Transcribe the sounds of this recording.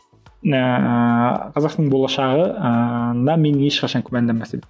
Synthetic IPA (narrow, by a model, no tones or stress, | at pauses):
qʰɑzɑqsəɴbo̞lˠɑʃɑʁənd̪ɑme̞neʃqɑʃɑŋkʲʰʊmænd̪emæse